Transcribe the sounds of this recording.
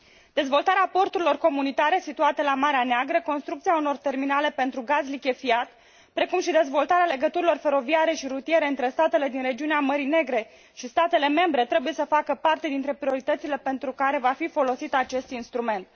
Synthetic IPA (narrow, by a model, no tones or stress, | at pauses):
d̪̥e̞zvo̞lt̪aɾeapo̞rt̪uɾilo̞rko̞munit̪aɾe̞sit̪uat̪elamaɾeaneaɡɾəko̞nst̪ɾukt̪siauno̞rt̪e̞rminale̞pe̞nt̪ɾuɡazlikʲe̞fiat̪ | pɾe̞kumʃid̪e̞zvo̞lt̪aɾeale̞ɡət̪uɾilo̞rfe̞ɾo̞viaɾe̞ʃiɾut̪ie̞ɾe̞ɨnt̪ɾe̞st̪at̪e̞le̞d̪inre̞d͡ʒiuneaməɾine̞ɡɾe̞ | ʃist̪at̪e̞le̞me̞mbɾe̞t̪ɾe̞buje̞səfakəpart̪e̞d̪int̪ɾe̞pɾio̞ɾit̪ət̪sile̞pe̞nt̪ɾukaɾe̞vafifo̞lo̞sit̪at͡ʃe̞st̪inst̪ɾume̞nt̪̚